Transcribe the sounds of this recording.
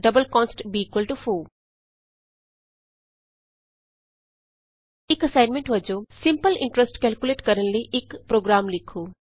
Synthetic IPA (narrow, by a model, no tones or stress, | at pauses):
ɖɐbəlkɔ̃ːnsʈbiːkʋəlʈufuː | ikɐsaɪnmẽɳʈʋɐd͡ʒosĩmpəlɪ̰̃ɳʈɾesʈkɛːlkjuleːʈkɐɾɐnliʔekpɾoːɡɾaːmlikʰːu